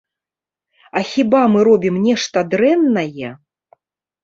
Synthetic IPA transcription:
ɐxʲibamɨɾɔbʲimnʲɛʂt̪ɐd̪ɾɛnːɐjɛ

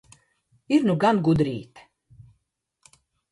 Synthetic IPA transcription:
iɾnuɡanɡud̪ɾiːt̪

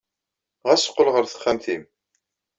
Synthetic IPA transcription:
ʁæsə̥qːəlʁəɾθə̥χːæmθim

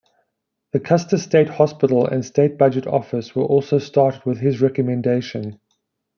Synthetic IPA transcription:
ðəkʰʌstəsteɪthɒspɪɾˡəl̩ə̰̃nsteɪt̚b̥ad͡ʒətʰɔ̰fɪswəʔɔˑlˠsoʊstɑːˑtəd̚wɪð̥ɪzɹɛkəmɛ̃ndeɪʃə̃n

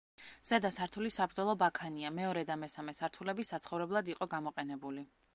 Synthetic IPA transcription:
z̥ɛd̪asaɾt̪ʰulisabɾd̪zɛlˠɔbakʰaniamɛɔɾɛd̪amɛsamɛsaɾt̪ʰulɛbisat̪sʰχɔvɾɛblˠad̪iqʼɔɡamɔqʼɛnɛbuli

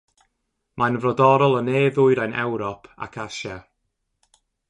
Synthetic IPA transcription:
mʔanvrɔdɔɾɔlˠəneːðʊɨɾajnɛ̰wɾɔpʰa̰kʰaʃa

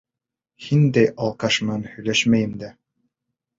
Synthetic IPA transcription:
hind̪æjɑlˠqɑʃmɑnhɵ̆jlæʃmæjɘ̆md̪æ

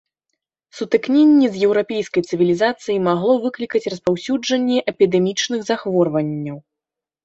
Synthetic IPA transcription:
sut̪ɨknʲenʲːɛzjɛwɾapʲejskɐjt̪sɨvʲilʲizat̪sɨjimaɣlˠɔvɨklʲikɐt͡sʲrɐspawsʲud͡ʐɐnʲːɛʔɛpʲid̪ɛmʲit͡ʂnɨɣzaxvɔrvɐnʲːɐw

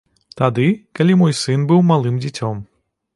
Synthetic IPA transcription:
t̪ad̪ɨkɐlʲimɔjsɨnbɨwmalˠɨmd͡zʲit͡sʲɔm

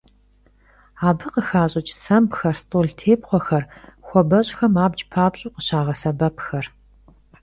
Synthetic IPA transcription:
aːbɨqəxaːɕʼɪt͡ʃʼsɐmbxɐrstʼoːɮtʰeːp̚χʷɔxɐrxʷɔbɐɕʼxɐmaːbd͡ʒʼpʰaːbɕʼʊːqəɕaːʁɐsɐbɐpʰxɐr

